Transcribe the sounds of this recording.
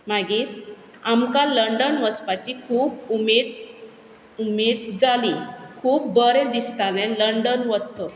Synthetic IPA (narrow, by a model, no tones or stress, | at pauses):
maɡiːt̪ | amkaləɳɖənʋət͡spat͡ɕikʰuːbumed̪̚ | umed̪d͡zalikʰuːbbəɾɛ̃d̪ist̪alɛ̃nləɳɖənʋət̪t͡sə